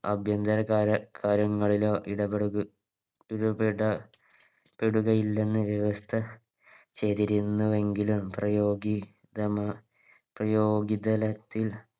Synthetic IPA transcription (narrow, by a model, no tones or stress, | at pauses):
ɐbʱjɐnd̪ɐɾɐɐkaːɾjɐŋːɐɭiloːʔiɽɐɽ | iɽupeɽɐ | peɽuɣɐjilːe̞nːɨʋjɐʋɐst̪ʰɐ | t͡ɕeːt̪iɾinːuʋe̞ŋɡilumprɐjoːɡi | d̪ɐmɐ | prɐjoːɡid̪ɐlɐt̪ːil